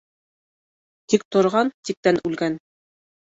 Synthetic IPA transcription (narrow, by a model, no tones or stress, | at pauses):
t̪ik̚t̪ŏɾʁɑnt̪ik̚t̪ænʉlɡæn